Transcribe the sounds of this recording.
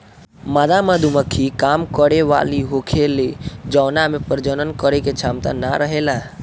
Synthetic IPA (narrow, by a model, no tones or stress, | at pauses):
maːd̪amad̪uməkʰːikaːmkəɽeʋa̰ːliɦokʰeled͡ʒɔːnamẽpəɾd͡ʒənənkəɾeket͡ʃʰaːmt̪a̰naɾəɦela